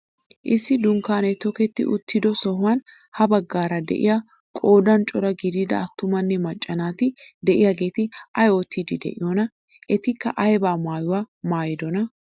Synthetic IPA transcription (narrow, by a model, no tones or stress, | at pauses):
ʔɪsːɪd̪ʊŋkaːnɛt̪ɔkɛt̪ːɪ̰ʔʊt̪ʰːɪd̪ɔsɔɦʊwɐn | hɐbɐɡːaːɾɐd̪ɛ̰ʔɪ̰jɐ | kʼo̞ːd̪ɐnt͡ʃʼɔɾɐɡɪd̪ɪd̪ɐ̰ːt̪ːʊmɐnːɛmɐt͡ʃʼːɐnaːt̪ɪd̪ɛʔɪjɐɡe̞ːt̪ɪʔɐjoːt̪ʰid̪ɪd̪ɛ̰ʔɪjɔnɐ | ʔɛt̪ɪkːɐ̰ʔɐjbaːmaːjʊwamaːjɪd̪ɔnɐ